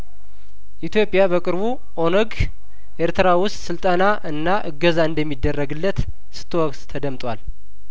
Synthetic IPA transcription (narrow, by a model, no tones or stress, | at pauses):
ʔit̪jo̞pʼjabəkʼɨɾβu | ʔo̞nəɡ | ʔeɾt̪ɨɾawʊst̪ʼsɨlt̪ʼənaʔɨnːaʔɨɡəzaɨnd̪əmːid̪ːərːəɡɨlːət̪ | sɨ̥t̪ʰːɨwɔkt̪t̪ʰəd̪əmt̪ʼwal